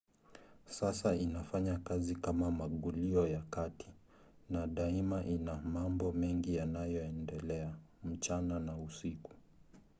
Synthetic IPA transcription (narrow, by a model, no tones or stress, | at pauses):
sasainafaɲakazikamamaɠuliɔjakati̥ | naɗaimaʔinamambɔmɛŋɡijanajɔɛndɛlɛam̩t͡ʃananausiku̥